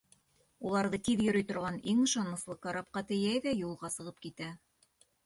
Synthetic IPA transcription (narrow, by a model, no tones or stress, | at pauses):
ulˠɑɾðɤt̪iðjɵ̆ɾɵ̆jt̪ŏɾʁɑniŋɤ̆ʃɑnmɤ̆slˠɤqkɑɾɑp̚qɑt̪ɘ̆jæjðæjulˠʁɑsɤ̆ʁɤp̚kit̪æ